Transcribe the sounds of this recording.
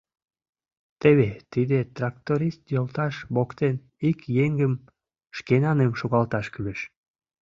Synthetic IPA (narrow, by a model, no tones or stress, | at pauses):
t̪eβet̪id̪et̪rɑk̚t̪oɾist̪jolt̪ɑʃβokt̪en | ikjeŋɡəm | ʃkenɑnemʃoɣɑlt̪ɑʃkyleʃ